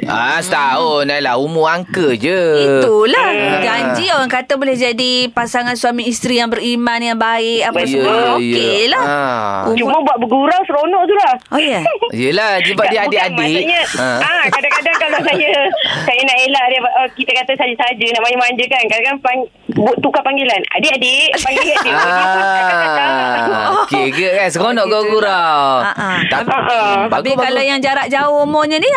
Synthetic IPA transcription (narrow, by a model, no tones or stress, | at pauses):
a̰sət̪aʊnalahumuaŋkəd͡ʒəit̪ulahd͡ʒaɲd͡ʒioɣaŋkat̪abolɛhd͡ʒadipasaŋansuwamĩːst̪ɾijaŋbəɾimanjaŋbaɪkaaəojkelahut͡ʃuməbuat̪̚bəɡuɾawsəɾonɔʔt̪ulah | ojəijəlad͡ʒibadiʔadɪʔadiɲaəkadaŋkadaŋkalkasajəsajənaʔelaʔdəaʔəkit̪əkat̪əsad͡ʒəsad͡ʒənaʔmajumaɲd͡ʒəkankadaŋkanpaŋ | buʔt̪ukapaŋɡilana̰dɪʔadɪpaŋɡiadiaaaaakeɡəkansəonɔʔɡabɡuɾawəat̪aəʔəbaɡpiakalajaŋd͡ʒaɾaʔd͡ʒaomɔɲəni